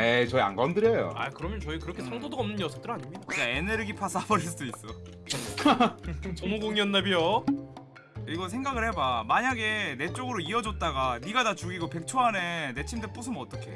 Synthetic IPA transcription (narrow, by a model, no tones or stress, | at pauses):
et͡ɕʌia̰nɡʌndɯɾejo̰a̰kɯɾʌmjʌnt͡ɕʌikɯɾʌkʰeʌŋdodoʌmnːɯnjʌsʰʌp̚t͈ɯɾaɲimɲidaɡaeneɾɯɡipʰas͈ʰabʌɾis̬͈ɯudois͈ʌ | t͡ɕʌnuɡoŋjʌnːabijo | iɡʌsʰe̞ŋɡaɡɯɭhe̞bamaɲaɡe̞ne̞t͡ɕ͈oɡɯɾoiʌd͡ʑʌt̚t͈aɡaniɡatat͡ɕuɡiɡope̞k̚t͡ɕʰoane̞ne̞t͡ɕʰimdep͈us̬ʰɯmʌt͈ʌkʰe̞̰